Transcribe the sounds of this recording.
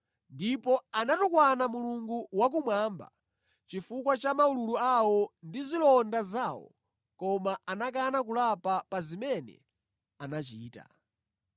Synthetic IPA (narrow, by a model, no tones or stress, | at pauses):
ndipɔanatukwanamuluŋɡuwak̬umwaːmba̰ | t͡ʃifukwat͡ʃamaululuawɔndizilɔndazaːwɔ̰ | kɔmaʔanakanak̬ulapapazimɛnɛ̰ | anat͡ʃiːta̰